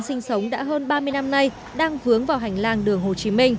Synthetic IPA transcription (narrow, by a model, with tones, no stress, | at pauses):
nsï˧ŋ̟sə˨˦wŋ͡mɗa̰ː˧˥ɦəː˧nɓaː˧mɨ˧əjna˧mna˧j | ɗaː˧ŋvɨ˨˦əŋvaː˨˩wɦɛ˨˩jŋ̟laː˧ŋɗɨ˨˩əŋɦo˨˩t͡ɕi˨˦mï˧ŋ̟